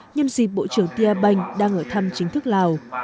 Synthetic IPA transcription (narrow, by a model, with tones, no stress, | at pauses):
ɲə˧nzi˨˩ɓo̰˧˨t͡ɕɨ˧˩əŋt̪i˧ʔaː˧ɓa˧˩jŋ̟ɗaː˧ŋʔəː˧˩t̪ʰa˧mt͡ɕï˨˦ŋ̟t̪ʰɨ˦˥k̚laː˨˩w